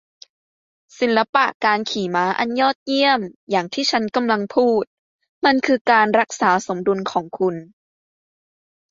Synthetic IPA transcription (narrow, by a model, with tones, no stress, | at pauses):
si˨˩˦nla˧˥pa˨˩ʔkaː˧nkʰiː˨˩˦maː˦˥ʔa˧njɔː˥˩t̪̚ji˥˩əmjaː˨˩ŋt̪ʰiː˥˩t͡ɕʰa˦˥nka˧mla˧ŋpʰuː˥˩t̪̚ | ma˧nkʰɯː˧kaː˧nɾa˦˥k̚saː˩˦so˩˦mdu˧nkʰɔː˩˦ŋkʰu˧n